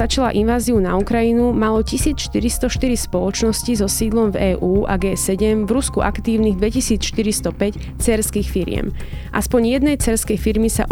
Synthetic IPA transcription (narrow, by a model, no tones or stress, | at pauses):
at͡ʃalaʔinʋaːziunaukɾajinumalɔcisiːt͡sʃt̪iɾist̪ɔʃt̪iɾispɔlɔt͡ʃnɔscizɔsiːd̪lɔmvɛːʔuːʔa̰ɡɛːsɛɟɛmvɾuskuʔa̰kt̪iːʊniɣd̪ʋɛcisiːt͡sʃt̪iɾist̪ɔpɛc | t͡sɛɾskiːxfiɾɪɛ̰m | ʔa̰spɔɲjɛd̪nɛjt͡sɛɾskɛjfiɾmisa̰ʔ